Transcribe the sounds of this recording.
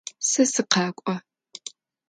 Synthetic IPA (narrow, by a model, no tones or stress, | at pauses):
sɐsɨqɑːkʷʼɔ